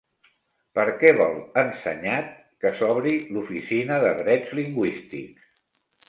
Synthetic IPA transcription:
pəɾkɛβɔlˠənsə̰ɲat̪̚ | kəsɔβɾilufisinəðəðɾɛd͡zliŋɡwist̪ḭks

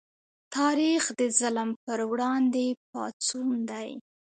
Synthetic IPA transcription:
t̪ɑɾixd̪əzalmpəɾwɽɑnd̪ep̚ɑ̰t͡sund̪aj

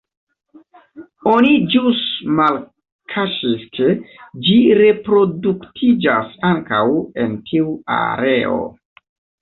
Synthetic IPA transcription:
o̞nid͡ʒusmal | kʰaʃiskʰed͡ʒiɾe̞pɾo̞duktʰid͡ʒasaŋkawe̞̰ntʰiua̰ɾe̞o̰

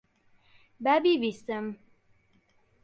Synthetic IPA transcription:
babiʋisəm

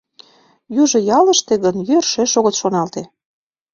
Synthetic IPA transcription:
juʒɤ̆jɑlə̆ʃt̪eɣənjørʃeʃoɣət̪ʃonɑlt̪e

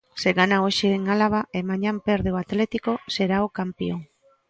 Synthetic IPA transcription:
se̞ɣanaoʃieŋalaβaʔemaɲampe̞ɾðeoat̪le̞t̪iko̞se̞ɾaokampioŋ

